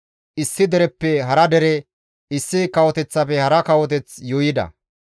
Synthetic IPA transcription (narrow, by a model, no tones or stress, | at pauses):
ʔɪsːɪd̪ɛɾɛpːɛɦɐɾɐd̪ɛɾɛ | ɪsːɪkɐwɔt̪ɛt͡sːɐfɛhɐɾɐkɐwɔt̪̬ɛt͡sjɔːjɪd̪ɐ̰